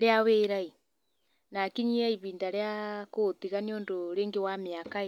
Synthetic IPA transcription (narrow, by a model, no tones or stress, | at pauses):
ɾeaweːɾai | nakiɲiaiβiːndaɾeakot̪iɣaniondoɾeːŋɡewameaka